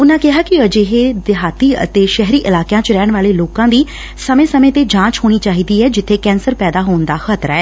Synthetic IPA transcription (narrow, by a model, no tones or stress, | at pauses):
ʊnãːkɪɦaːkɪəd͡ʒeɦeːd̪ɪɦaːt̪iːə̰t̪eːʃɛɦɾiːʔɪlaːkjãːt͡ʃɾɛːɳʋaːleːloːkãːd̪iː | səmẽːsəmẽːt̪eːd͡ʒãːt͡ʃɦoːɽ̃iːt͡ʃaːɦiːd̪iːɛːd͡ʒɪt̪ʰːeːkɛ̃ːnsəɾpɛːd̪aːɦoːnd̪aːxət̪ɾaɛː